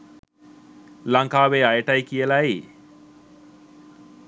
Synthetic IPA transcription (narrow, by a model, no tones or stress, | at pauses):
laŋkaːʋeajʈajkijəlaj